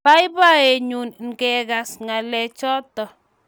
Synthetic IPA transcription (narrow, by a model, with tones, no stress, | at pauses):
pa˦jba˦e˨ɲu˨nŋ˨kɛ˨ɣa˨sŋa˨lɛ˨t͡ʃɔ˦tɔ˨